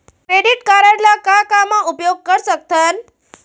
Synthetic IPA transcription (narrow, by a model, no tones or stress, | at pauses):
kɾeɽiʈkaɾəɽlakakamaupjoɡ̚kəɾsək̚t̪ən